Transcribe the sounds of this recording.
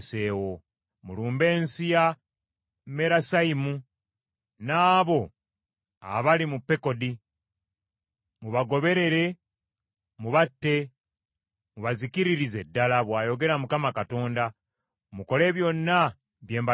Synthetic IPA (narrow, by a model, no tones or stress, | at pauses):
seːwo̞ | muluːmbe̞ːnsija | me̞ɾasaimu | naːβo̞ | a̰βalimupːe̞ko̞di | muβaɡo̞βe̞ɾe̞ɾe̞ | muβatːe̞ | muβazikiɾiɾize̞dːalaβwaːjo̞ɡe̞ɾamukamakato̞ːnda | muko̞le̞ːβjo̞nːa | βje̞ːmba